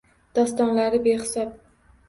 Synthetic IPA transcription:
d̪̥ɒst̪ɒnlaɾɪbeχɪ̥sɒp̚

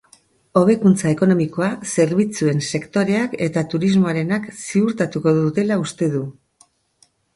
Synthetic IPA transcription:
o̞β̞e̞kunt͡sae̞ko̞no̞miko̞ase̞ɾβit͡sue̞nse̞kt̪o̞ɾe̞ake̞t̪at̪uɾizmo̞aɾe̞naksiuɾt̪at̪uko̞ðut̪e̞laust̪e̞ðu

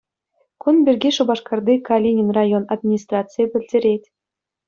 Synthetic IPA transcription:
kunbʲirʲɡʲiʂŭbɑʂkɑrd̪ikalʲinʲinrɑjonad̪mʲinʲist̪rɑt͡sɨjepʲɘ̆lʲdʲeɾʲetʲ

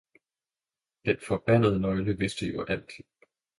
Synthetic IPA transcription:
d̥enfɒ̽b̥æn̰əð̞ˠənɒɪləʋe̝sd̥əjoʔæl̰kʰi

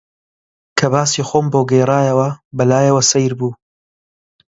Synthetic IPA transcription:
kʰɐbaːsiːxoːmbowɡejraːjɐwɐbɐlaːjɐwɐsɐjɾbuː

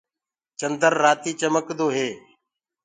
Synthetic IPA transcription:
t͡ʃənd̪ʱəɾːaːt̪iːt͡ʃəməkd̪oːɦeː

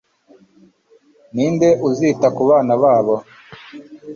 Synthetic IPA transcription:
niːndeʔuziːtakuβaːnaβaːβo

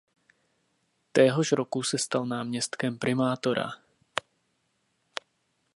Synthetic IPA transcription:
t̪ɛːɦɔʒɾɔkusɛst̪alnaːmɲɛst̪kɛmpɾɪmaːt̪oɾa̰

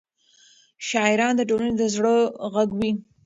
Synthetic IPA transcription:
ʃɑɪɾɑnd̪əʈolaned̪əzɽəɣaɡwi

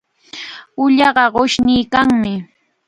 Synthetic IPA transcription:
ʊʎɑɢɑɢoʃnɪːkaŋmɪ

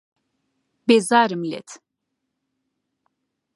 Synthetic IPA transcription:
bezaːɾɨmilɛ̰t̪ʰ

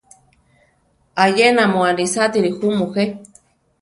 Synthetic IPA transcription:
ajenamoanɾisat̪iɾixumuxe

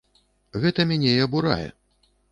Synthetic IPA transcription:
ɣɛt̪ɐmʲanʲɛiɐbuɾa̰jɛ̰

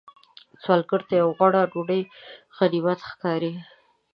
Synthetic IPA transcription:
t͡swɑlɡəɽt̪ajawɣaɽaɖoɽəj | ɣaɾibat̪xkɑɾi

